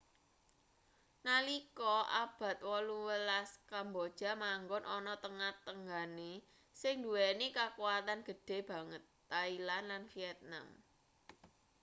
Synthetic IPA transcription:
nalikɔʔab̥ä̤t̪̚wɔluwəlaskambod̥ʒ̥a̤maŋɡʊnʔɔnɔt̪əŋat̪əŋɡane | sɪŋndṳwɛnekakuwat̪anɡ̥ə̤ɖ̥e̤b̥ä̤ŋət̪ːailanlanfiɛt̪̚na̰m

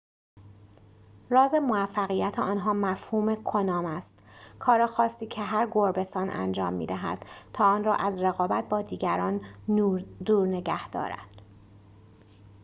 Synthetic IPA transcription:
rɒːzemoæfːæɣijæt̪ʰeɒːnɦɒːmæfhuːmekʰonɒːmæst̪kʰɒːɾɑːxɒːsiːcʰeɦæɾɡoɾbe̞st̪ɒːnʔæ̰nd͡ʒɒ̰ːmːḭːd̪æɦæ̰d̪̥t̪ʰɒːɒːnrɒːʔæzɾeɣɒːbæt̪̚bɒːd̪iːɟæɾɒːn | d̪uːɾne̞ɟæhd̪̥ɒ̰ːɾæ̰d̪̥

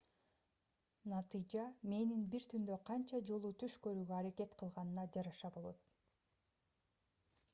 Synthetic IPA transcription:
nɑt̪ɨjd͡ʒɑme̞ninbiɾt̪ʰynd̪ø̞qʰɑnt͡ʃɑd͡ʒo̞lˠut̪ʰyʃkø̞ɾyːɡøɑɾake̞t̪qʰɯlˠʁɑnɯnɑd͡ʒɑɾɑʃɑbo̞lˠo̞̰t̪̚

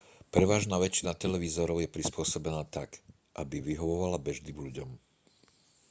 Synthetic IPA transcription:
pɾɛʋaːʒnaːʋɛt͡ʃinat̪ɛlɛʋizɔɾɔʊjɛpɾispʊɔsɔbɛnaːt̪ak | ʔabiʋiɦɔʋɔʋalabɛʒd̪ibʎuɟɔm

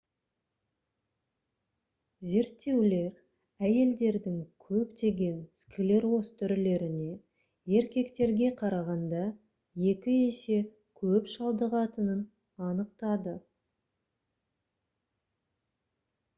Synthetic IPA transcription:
ze̞ɾt̪ːe̞wle̞ɾ | æje̞ld̪e̞ɾd̪ɪŋkʲʰɵpt̪e̞ɡʲe̞nskʰʲɪle̞ɾwo̞st̪ʰʏɾɪle̞ɾɪne̞ | e̞ɾkʲe̞kt̪e̞ɾɡʲe̞qʰɑɾɑʁɑnd̪ɑ | je̞kʲɪese̞ | kʲʰɵpʃɑlˠd̪əʁɑt̪ənən | ɑnəqt̪ɑd̪ə

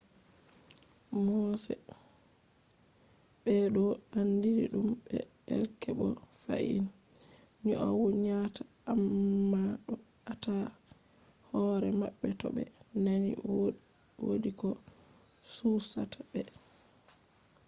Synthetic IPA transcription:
mɔsɛ̰ | ɓɛɗɔandiɾḭɗumbɛɛ̰lkɛbɔfa̰ʔḭn | ɲɔʔawoɲatamːa | ata | hɔɾɛmaɓːɛtɔɓɛnanḭwwo̰ɗikɔ | susatabɛ

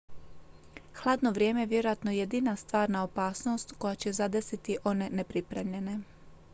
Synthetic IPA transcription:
xlˠaːd̪no̞ʋɾʲje̞ːmejeʋje̞ɾojat̪nojed̪inast̪ʋaːɾnaopaːsno̞st̪ko̞jat͡ɕe̞zad̪esit̪iʔo̞ne̞nepɾipɾe̞mʎe̞ne̞

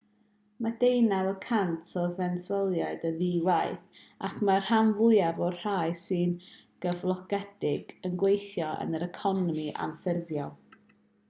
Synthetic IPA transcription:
madejnawəkʰantʰɔvɛnswɛlˠjaɨdəðiwajθakʰmar̥hamvʊɨavɔr̥aɨsɨn | ɡ̥əvlˠɔɡ̥ɛd̥ɪɡ̥ənɡwejθjɔə̰nəɾəkʰɔnɔmiʔa̰mfɪrvjɔlˠ

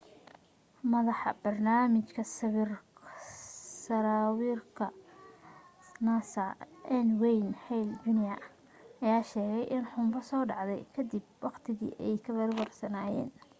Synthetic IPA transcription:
mɐðɑħɑ̰bɐrnaːmɪt͡ʃkʰɐsɐβr | sɐɾaːwiːrkʰɐ | nasɐʔɛnwɛjnhɛjld͡ʒʊnɪjɐ | ʔɐjaːʃɛːɣɛjʔɪnħʊmbɐsɔːɖɑʕd̪ɛ̰jkʰɐd̪ɪb̚wɑqt̪ʰɪɣḭːʔɛjkʰɐβɐrwɐrsɐnaːjɛ̰ːn

